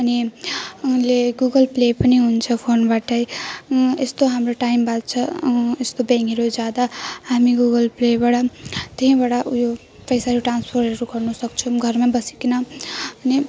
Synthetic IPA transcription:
ʌni | uleɡuɡʌlplepʌniɦunt͡sʰʌpʰonbaʈʌj | est̪oɦamroʈajmbat͡sʰʌest̪obẽŋkiɾod͡zjad̪ahamiɡuɡʌlplebaɽʌt̪iɦĩbaɽajo | pʌjsaɾoʈranspʰorʌɾuɡʌrnʌsʌk̚t͡sʰʌɡʱʌrmabʌsi̥kinʌʌni

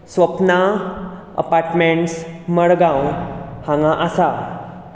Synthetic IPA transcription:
sʋəpna | ə̰paɾʈmẽɳʈsməɽɡãwhãŋɡãʔəsa

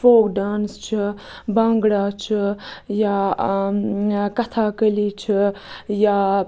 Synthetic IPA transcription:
foːkɖaːnst͡ʃʰibɐŋɡɽaːt͡ʃʰija | kɐt̪ʰaːkəliːt͡ʃʰija

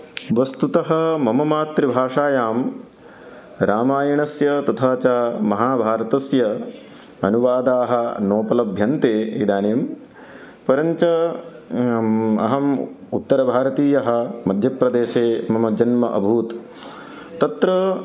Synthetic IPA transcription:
ʋɐst̪ut̪ɐɦɐ̆mɐmɐmaːt̪ɾibʱaːʂaːjaːm | ɾaːmaːjɐɳɐsjɐt̪ɐt̪ʰaːt͡ʃaːmɐɦaːbʱaːɾɐt̪ɐsjɐ | ɐnuʋaːd̪aːɦɐ̆noːpɐlɐbʱjɐnt̪eːḭd̪aːneːm | pɐɾɐɲt͡ʃɐ | ɐ̰ɦɐm | ut̪ːɐɾɐbʱaːɾɐt̪iːjɐɦɐ̆mɐd̪ʱjɐpɾɐd̪eːʃeːmɐmɐd͡ʒɐnmɐʔɐ̰bʱuːt̪ | t̪ːɐt̪ɾɐ

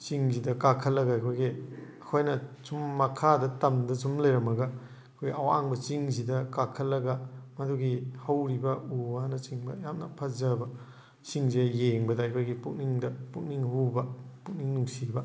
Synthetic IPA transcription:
t͡ʃiŋzidɐkakʰɐlːɐɡaɐjkʰojɡiɐkʰojnɐsumːɐkʰadɐtɐmdɐsumlɐjɾɐmɐɡɐ | ɐkʰojɡiɐwaaŋbɐt͡ʃiŋzidɐkakʰɐlːɐɡɐmɐduɡihɐwɾibɐuwanɐt͡ʃiŋbɐjamnɐpʰɐzɐbɐ | t͡ʃiŋziɐjeŋbɐdɐɐjkʰojɡipuk̚niŋdɐpuk̚niŋhubɐpuk̚niŋnuŋsibɐ

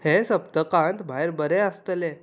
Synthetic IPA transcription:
hesəpt̪əkãnt̪bʱajɾbəɾɛ̃əst̪əle

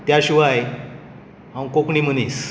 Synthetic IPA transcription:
t̪jaɕiʋaj | ãw̃kokɳim̤ənis

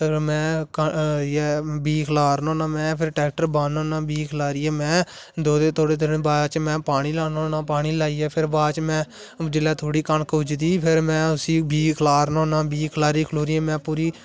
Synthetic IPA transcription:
pɪɾmɛ̃ːkːɛːbiːkʰlaːɾnõːnãːmɛ̃ːpʰɪɾʈɛːk̚ʈəɾbaːnõːnãːbiːkʰlaːɾiɛːmɛ̃ː | d̪oːd̪eːt̪oːɽeːd̪ɪɾənbaːt͡ʃmɛ̃ːpaːɽ̃iːlaːnõːnãːpaːɽiːlaːiːɛːpʰɪɾbaːt͡ʃmɛ̃ː | d͡ʒɪlɛːt̪ʰoːɽiːkəɳkʊd͡ʒd̪iːpʰɪɾmɛ̃ːʊsiːbiːkʰlaːɾnõːnãːbiːkʰlaːɾiːkʰloːɾiːɛːmɛ̃ːpuːɾiː

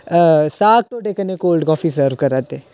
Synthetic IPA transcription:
əsaːk̚ʈoːʈekənekoːlɖkɔːfisəɾʋkəɾaːt̪eː

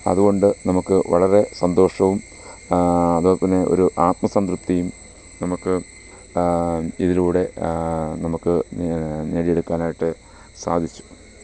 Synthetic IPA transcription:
ɐ̰ðuɣo̞ɳɖɨnɐmukːɨʋɐɭɐre̞sɐnd̪o̞ːʂɐʋum | ɐðoːt̪ːɐnːeʔo̞̰ɾuʔaːt̪mɐsɐnd̪rup̚t̪ːjijum | nɐmukːɨ | iðiluːɽe̞nɐmukːɨ | neːɽijeɽukːaːnaːjiʈːɨ | saːd̪ʱit͡ɕːu̥

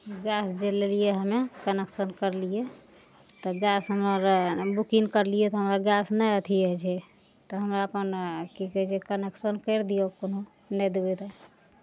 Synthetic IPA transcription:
ɡasd͡ʒelelijeɦəmekəneksənkəɾlije | t̪ɔɡasɦəməɾbukiŋkəɾlijɛt̪ɔɦəmɾaɡasnɛjət̪ʰiəɦt͡ʃʰɛ | t̪ɔɦəmɾaəpənkikɛɦt͡ʃʰɛkəneksənkəɾd̪ijokono | nɛd̪ewɛt̪ɛ

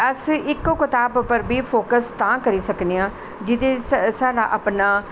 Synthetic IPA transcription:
əsɪkːokɪt̪aːbpəɾbiːpʰoːkəst̪ãːkəɾiːsəkneãː | d͡ʒɪt̪eːsaːɖa̰ːʔəpnaː

